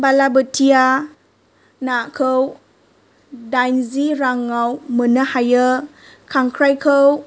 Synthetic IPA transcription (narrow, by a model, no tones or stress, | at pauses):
balabətʰia | nakʰəw | dajnziɾaŋawmənəhajə | kʰaŋkʰɾajkʰəw